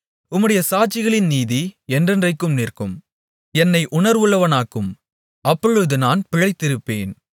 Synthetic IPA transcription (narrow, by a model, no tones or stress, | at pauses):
ʊmːɯɽɐjɐsaːʈ̚t͡ʃːɪɣɐɭɪnniːðiɛndrɛndrɐɪkːɯmniːrkɯm | ɛnːɐɪʔʊnɐɾʋɯɭːɐʋɐnaːkːɯm | ɐpːɔɻɯðɯnaːnpɪɻɐɪt̪ːɪɾɯpːeːn